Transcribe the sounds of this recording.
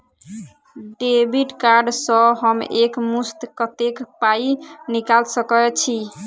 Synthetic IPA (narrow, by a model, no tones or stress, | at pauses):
ɖebiʈkaɾɖsɔɦəmekmust̪kət̪ekpainikalsəkɔt͡ʃʰi